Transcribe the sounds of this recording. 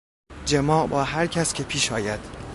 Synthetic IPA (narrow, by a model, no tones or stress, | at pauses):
d͡ʒemɒːʔbɒːɦæɾcʰæscʰe̞pʰiːʃɒːjæd̪̥